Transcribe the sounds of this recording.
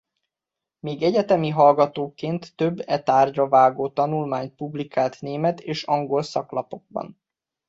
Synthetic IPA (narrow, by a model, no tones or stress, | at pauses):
meːɡɛɟɛt̪ɛmiɦɒlɡɒt̪oːkeːnt̪ːøbːɛt̪aːrɟɒvaːɡoːt̪ɒnulmaːɲt̪̚publikaːlt̪neːmɛt̪eːʃɒŋɡo̞lsɒklɒpo̞ɡ̥̚bɒ̰n